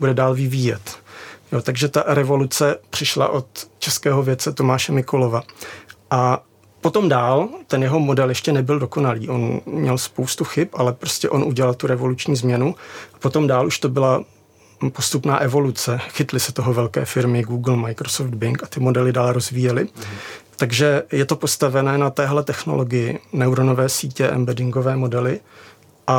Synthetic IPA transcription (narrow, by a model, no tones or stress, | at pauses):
budɛdaːlvɪviːjɛt̪jot̪aɡʒɛt̪aɾɛvo̞lut͡sɛpr̝̥ɪʃla̰ʔo̞t̪t͡ʃɛskɛːɦo̞vjɛt̪t͡sɛt̪o̞maːʃɛmɪkolo̞vaʔa | po̞t̪o̞mdaːlt̪ɛnjɛɦo̞mo̞dɛljɛʃcɛnɛbɪldo̞ko̞naliːʔo̞nmɲɛlspo̞wst̪uxɪpʔalɛpɾo̞scɛʔo̞nʔuɟɛlalt̪uɾɛvolut͡ʃɲiːzmɲɛnuapot̪o̞mdaːlʔuʃt̪o̞bɪla | po̞st̪upna̰ːʔɛvo̞lut͡sɛxɪt̪lɪsɛt̪o̞ɦo̞vɛlkɛ̰ːfɪɾmɪɡuːɡl̩majkɾosofd̪̚bɪŋkat̪ɪmo̞dɛlɪdaːlɾo̞zviːjɛlɪt̪aɡʒɛjɛt̪o̞po̞st̪avɛnɛːnat̪ɛːɦlɛt̪ɛxno̞̰lo̞ɡɪjɪnɛwɾono̞vɛːsiːcɛʔɛ̰mbɛdɪŋɡo̞vɛːmo̞dɛlɪ | ʔa